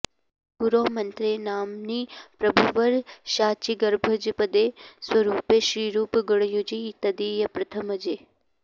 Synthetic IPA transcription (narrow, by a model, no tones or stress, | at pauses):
kuɾoːmɐnt̪ɾeːnaːmnipɾɐbʱuʋəɾʃaːt͡ʃiɡəɾbʱəd͡ʒpəd̪eːswɐɾuːpeʃɾiːɾuːpɡəɽ̃jod͡ʒit̪ɐd̪ijɐpɾɐt̪ʰəməd͡ʒeː